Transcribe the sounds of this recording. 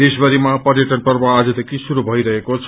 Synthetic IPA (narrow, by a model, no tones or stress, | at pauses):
esbʌɾimapʌrjʌʈʌnpʌrbaːd͡zʌd̪ʱekʰisuɾubʱʌjɾʌɦekot͡sʰ